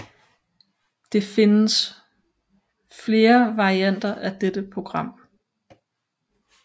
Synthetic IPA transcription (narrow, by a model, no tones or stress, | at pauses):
d̥e̝fe̝nəs | fle̝ːɐʋɑ̈ʁiæn̰d̥ɐʔæd̥ed̥əpʰʁo̝ɡ̥ʁɑ̈m̰